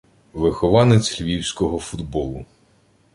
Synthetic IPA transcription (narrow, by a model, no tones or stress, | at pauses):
ʋɪxɔʋɑnet͡sʲlʲʋʲiwsʲkɔɦɔfʊd̪bɔlˠʊ